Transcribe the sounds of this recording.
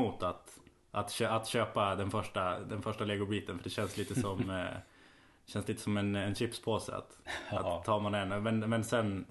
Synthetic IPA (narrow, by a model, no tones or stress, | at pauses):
uːt̪at̪ | ʔat̪ɕøat̪ɕøːpad̪ɛnfœʂʈad̪ɛnfœʂʈaleːɡʊɾbiːt̪ənfœɖɛɕɛnsliːt̪əsɔm | d̪ɛɕɛnsliːt̪ə̥sɔmɛnɛnɕɪpspʰosɛ̰a̰t̪a̰ːɑːmanɛnmɛnmɛnsɛnː